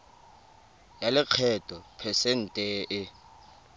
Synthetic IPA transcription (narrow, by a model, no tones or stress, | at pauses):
jalɪq͡χʰɛtʼɔpʰɛsɛn̩tʼeːʔɪ